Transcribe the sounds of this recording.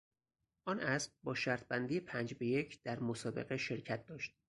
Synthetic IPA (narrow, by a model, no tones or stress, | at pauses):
ʔɒːnʔæsbbɒːʃæɾt̪̚ʰbænd̪ijepʰænd͡ʒbe̞je̞cʰd̪̥æɾmosɒːbe̞̰ɣeʃe̞ɾcʰæt̪̚d̪ɒːʃt̪̚